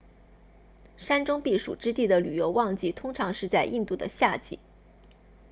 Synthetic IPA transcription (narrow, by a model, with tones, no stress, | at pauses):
ʂa˥nʈ͡ʂʊ˥ŋpi˥˩ʂṵ˨˩ʈ͡ʂɻ̩˥t̪i˥˩d̪ə˩ly˨˩jo˧˥ʊwɑ˥˧ŋt͡ɕi˥˩t̪ʰʊ˥ŋʈ͡ʂʰɑ˧˥ŋʂɻ̩˥˧t͡sa˥˧ɪʔi˥˧nt̪u˥˩d̪ə̰˩ɕja˥˧t͡ɕḭ˥˩